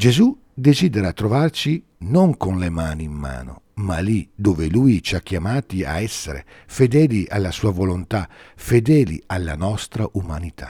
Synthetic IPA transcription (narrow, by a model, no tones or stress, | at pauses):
d͡ʒezu | d̪eziːd̪eɾat̪ːɾɔvart͡ʃi | noŋkonlemaːniːmːa̰ːno̰malid̪oːvelujt͡ʃiak̟ːjamaːt̪ia̰ɛsːeɾḛ | fed̪ɛːliʔa̰lːasuːavolont̪a | fed̪ɛːlḭalːanɔst̪ɾaʔumanit̪ʰḁ̰